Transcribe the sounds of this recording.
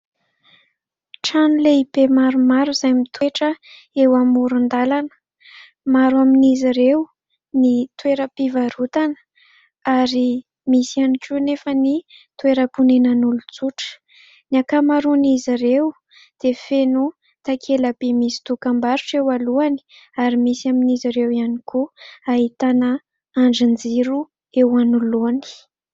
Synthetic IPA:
ʈ͡ʂanuleipemaɾumaɾuzajmit̪ʰweʈ͡ʂə | ewamuɾund̪alanə̥ | maɾuaminiziɾew | nit̪weɾəpivaɾut̪anə̥ | aɾi | misianikʲunefənit̪weɾəpunenanulut͡suʈ͡ʂə̥ | niakamaɾuniziɾew | d̪̥efenu | t̪akʰelapemisi̥t̪ukambaɾuʈ͡ʂewaluani̥ | aɾimisaminiziɾewianikʰuaɦit̪anə | aɳɖ͡ʐind͡ziɾu | ewanuloni̥

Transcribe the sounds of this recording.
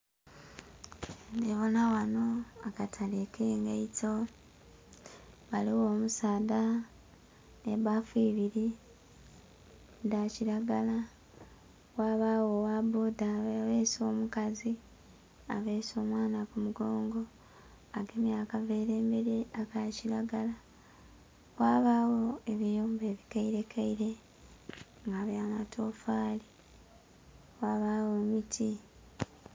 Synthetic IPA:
deβonawano̞akatʰalekʰe̞ŋɡaito | βaliwo̞ːmusaːda | nḛβafwiːβiɾi | daciɾaɡala | waβawowabodaβeso̞ːmukazi | a̰βeːso̞ːmwaːnakumuɡo̞ːŋɡo̞ | aɡemiaːkave̞ːɾe̞ːmbe̞ɾeakaciɾaɡala | waːβaːwo̞e̞βijoːmbe̞ːβikaiɾe̞kʰaiɾe̞ | ŋɡaβjaːnatʰo̞faːli | waːβaːwomitʰi

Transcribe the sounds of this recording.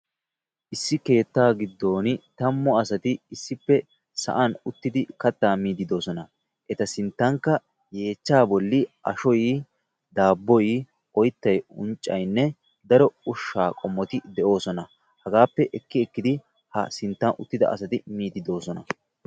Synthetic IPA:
ʔɪsːɪke̞ːt̪ːaːɡɪd̪ːo̞ːnt̪ɐmːɔɐsɐt̪ɪɪsːɪpːɛ | sɐ̰ʔɐnʊt̪ːɪd̪ɪkɐt̪ːaːmiːd̪ɪd̪o̞ːsɔnɐ | ʔɛt̪ɐsɪnt̪ːɐŋkːɐ | je̞ːt͡ʃːaːbɔlːɪʔɐ̰ʃɔj | d̪aːbːɔj | ɔjt̪ːɐjʊ̰nt͡ʃʼːɐ̰jnːɛ | d̪ɐɾɔʊʃːaːkʼɔmːɔt̪ɪd̪ɛʔo̞ːsɔnɐ | hɐɡaːpːɛʔɛkːɪɛkːɪd̪ɪ | hɐ̰sɪnt̪ːɐnʔʊ̰t̪ːɪd̪ɐ̰ʔɐ̰s̬ɐt̪ɪmiːd̪ɪd̪o̞ːsɔnɐ̰

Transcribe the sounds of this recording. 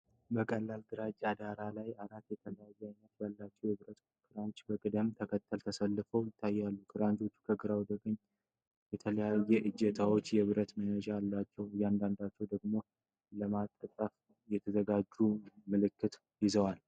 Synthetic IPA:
bəkʼəlːald̪ɨɾad͡ʒad̪aɾalajaɾat̪ːjɛt̪ʰələjajːɛajnːət̪jalːat͡ʃːɛwjɛβɨɾət̪ | kʰɨɾant͡ʃbəkʼɨd̪əmt̪ʰəkʰət̪ʰːəlt̪ʰəsəlːɨfəwjɪt̪ʰːajːalːukʰɨɾant͡ʃʰʼo̞t͡ʃːu̥kʰəɡɨɾawd̪əkʼəɲː | jɛt̪ʰələjajːɛʔɨd͡ʒːɛt̪ʰawo̞t͡ʃːjɛβɨɾət̪mənəd͡ʒaalːat͡ʃːɛwɨjːand̪and̪at͡ʃːɛwd̪əɡmo̞ | ləmat̪ʼːək̪ʼəf | jɛt̪ʰəzəɡad͡ʒːumɨlɨkːɨt̪ | jɪzəwal

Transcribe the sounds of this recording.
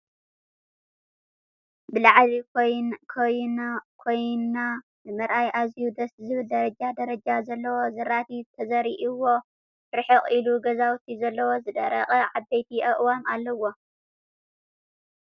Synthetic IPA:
bɨlaʕβikʰojnkʰojnkʰojnːa | bɨmɐɾʔajʔazjud̪ɐszɨβɨld̪ɐɾɐd͡ʒad̪ɐɾɐd͡ʒazɐlːɐwo̞zɐɾat̪ʰit̪ʰɐzɐɾiʔiwo̞ | ɾɨħɨχʼiluɡɐzawt̪ʰizɐlːɐwo̞zɨd̪ɐ̰ɾɐ̰χʼɐʕabɐjt̪ʰiʔɐʔʼwamalːɐwo̞

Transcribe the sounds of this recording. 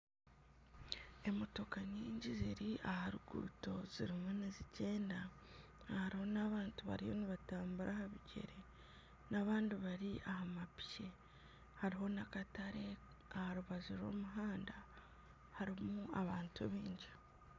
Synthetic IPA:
e̞moto̞kaɲiːɲɟiziɾiʔahaɾuɡṵːto̞ziɾimunizice̞ːnda | haɾiho̞naβaːntuβa̰ɾijo̞̰niβataːmbuɾʔahaβiɟe̞̰ɾe̞ | naβaːndiβaɾiʔahamapi̥ce̞ | haɾiɦo̞nakataɾe̞ | ahaɾuβaziɾo̞̰ːmuɦaːnda | haɾimuaβaːntʰuβiːɲɟi

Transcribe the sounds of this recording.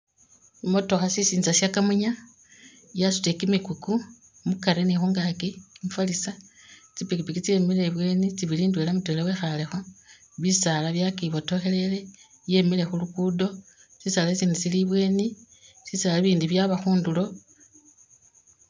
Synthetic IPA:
mo̞to̞xasisiːnzasjakamuɲa | jasu̥tekimikuku | mukaɾenixuŋɡakimufalisa | t͡sipikipikit͡siemileβwe̞ːnit͡siβiliːndwelamutwelawexalexo | βisalaβjakiβo̞to̞xe̞le̞le̞ | je̞mile̞xulukudosisaːlasiːnit͡siliβwe̞ːni | sisalaβiːndiβjaβaxuːndulo̞

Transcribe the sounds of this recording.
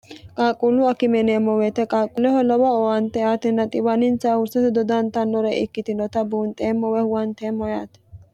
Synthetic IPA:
kʼaːkʼulʊɐkɪmɛneːmːɔwɛt̪ɛkʼaːkʼʊlɛhɔlɔbɔɔwɐnt̪ɛaːt̪ɪnːɐt̪ʼɪbɐnɪnsaːhʊɾsɐt̪ɛd̪ɔd̪ɐnt̪ɐnːɔɾɛʔɪkːɪt̪ɪnɔt̪ɐbuːnt̪ʼeːmːɔwɛhʊwɐnt̪eːmːɔjaːt̪ɛ̥

